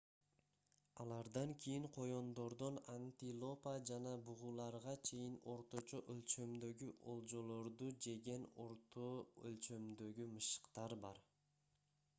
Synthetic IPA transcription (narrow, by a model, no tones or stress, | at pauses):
ɑlˠɑɾd̪ɑŋkʲʰijiŋqʰo̞jo̞nd̪o̞ɾd̪onant̪ilˠo̞pad͡ʒɑnɑbuʁulˠɑɾʁɑt͡ʃʰe̞jino̞ɾt̪o̞t͡ʃoʔølʲt͡ʃø̞md̪ø̞ɡyʔo̞lˠd͡ʒo̞lˠo̞ɾd̪ud͡ʒe̞ɡe̞noɾoølt͡ʃø̞md̪ø̞ɡymɯʃɯ̥qt̪ɑɾbɑɾ